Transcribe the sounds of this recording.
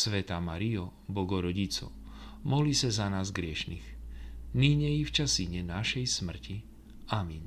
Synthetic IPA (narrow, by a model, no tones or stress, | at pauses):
sʋɛt̪aːmaɾiɔ | bɔɡɔɾɔɟit͡sɔ̰mɔlisazanaːzɡɾɪɛʃniɣniɲɛjift͡ʃasiɲɛnaʃɛjsmr̩ci | amiɲ